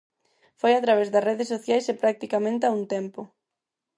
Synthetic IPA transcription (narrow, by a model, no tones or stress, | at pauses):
fojat̪ɾaβ̞ɛzðɐsreðesːoθjajsepɾak̚t̪ikamẽnt̪eauŋt̪ɛmpʊ